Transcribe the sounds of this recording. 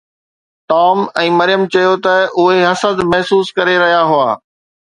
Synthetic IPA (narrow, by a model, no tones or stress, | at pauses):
ʈɔːmɛ̃ːmɐɾɪjəmt͡ɕɐjot̪ɐʊɦeɦɐsəd̪mɐɦsuːskɐɾeɾɐɦijaɦʊaː